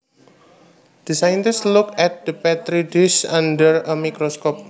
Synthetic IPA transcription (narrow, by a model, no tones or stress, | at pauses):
d̪̥isajnt̪ɪslukɛt̪̚d̪̥əpɛt̪ɾidusandəɾəmikɾoskɔp̚